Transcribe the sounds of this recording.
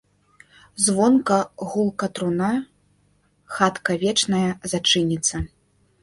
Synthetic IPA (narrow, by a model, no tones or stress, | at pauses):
zvɔnkɐɣulˠkɐt̪ɾuna | xat̪kɐvʲɛt͡ʂnɐjɐzat͡ʂɨnʲit̪sːɐ